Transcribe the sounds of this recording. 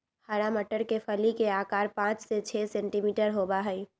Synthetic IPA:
həɾaməʈəɾkepʰəlikeaːkaːɾpãːt͡ʃset͡ʃʰɛːsɛ̃ːɳʈimiːʈəɾɦoːbaɦəi

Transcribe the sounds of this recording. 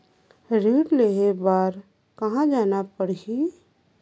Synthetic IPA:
ɾiːɽleːɦebaːɾ | kɐɦãd͡ʒaːnapəɽɦi

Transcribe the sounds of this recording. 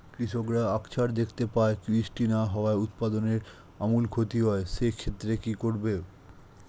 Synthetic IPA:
kɾiʃokɾaakt͡ɕʰaɾd̪ekʰt̪epaekɾisʈinaɦɔoaeut̪pad̪oneɾ | amulkʰot̪iɦɔeʃekʰet̪ːɾekikoɾbe

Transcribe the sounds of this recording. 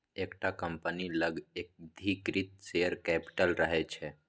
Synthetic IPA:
ekʈakəmpəniləɡek̚d̪ʱikɾit̪̚seəɾkɛpi̥ʈəlɾəɦɛt͡ʃʰɛ

